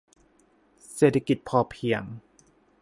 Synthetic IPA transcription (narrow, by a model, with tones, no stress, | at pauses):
seː˨˩t̪ʰa˧ki˨˩t̪̚pʰɔː˧˩pʰi˧˩əŋ